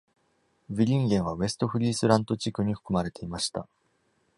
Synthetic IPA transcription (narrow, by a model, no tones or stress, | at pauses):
bʲiɾʲĩŋɡẽ̞ɰ̃βaβe̞sɨ̥t̪o̞ɸɯ̟ɾʲiːsɨɾãnt̪o̞t͡ɕikɯ̟ɲ̟iɸɯ̟̥kɯ̟maɾe̞t̪e̞imaɕi̥t̪a̰